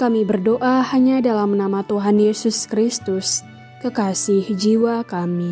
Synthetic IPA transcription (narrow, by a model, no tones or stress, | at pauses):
kamibərdoʔahaɲadalamnamat̪uɦanjesuskɾist̪ʊs | kəkasɪhd͡ʒiwakami